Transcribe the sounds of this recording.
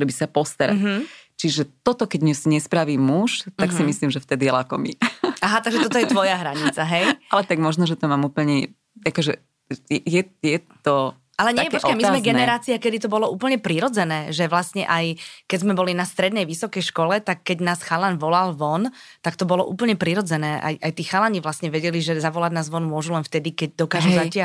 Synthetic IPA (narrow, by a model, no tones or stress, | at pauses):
ɾɛbisapɔst̪aɾa̰ɦ̩t͡ʃiʒɛt̪ɔt̪ɔkɛɟmɲɛsiɲɛspɾaʋiːmuʃt̪aksimisliːmʒɛft̪ɛd̪ijɛlakɔmḭʔaɦat̪aɡʒɛt̪ɔt̪ɔjɛt̪ʋɔjaɦɾaɲit͡saɦɛjalɛt̪aɡmɔʒnɔʒɛt̪ɔmaːmuːpl̩ɲɛ | akɔʒɛ | jɛjɛjɛt̪ɔ | alɛɲɛjɛpɔt͡ʃkajmizmɛɡɛnɛɾaːt͡siakɛd̪it̪ɔbɔlɔuːpl̩ɲɛpɾiɾɔd͡zɛnɛːʒɛʋlasɲɛ̰ʔajkɛzmɛbɔlinast̪ɾɛd̪nɛjʋisɔkɛjʃkɔlɛt̪akːɛɟnaːsxalanʋɔlalʋɔnt̪akt̪ɔbɔlɔʔṵːpl̩ɲɛpɾiɾɔd͡zɛnɛːʔa̰jʔajt̪iːxalaɲiʋlasɲɛʋɛɟɛliʒɛzaʋɔlaɟnaːzʋɔnmʊɔʒulɛnft̪ɛd̪ikɛɟ̚d̪ɔkaːʒɛmzacɪa